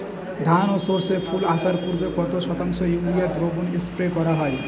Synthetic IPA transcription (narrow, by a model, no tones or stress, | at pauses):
d̪ʱanosoɾseɾfʰulaʃaɾpuɾbekɔt̪oʃɔt̪aŋʃojuɾijaɾd̪ɾobunespɾekɔɾaɦɔe